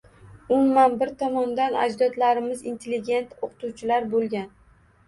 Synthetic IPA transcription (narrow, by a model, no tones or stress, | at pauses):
ʊmːanbɪɾt̪ʰɒmɒnd̪ana̰d͡ʒd̪ɒd̪laɾɪmɪzint̪ʰelːɪɡʲe̞nt̪oqʰɨ̥t̪uwt͡ʃʰɪlaɾbolˠɡʲan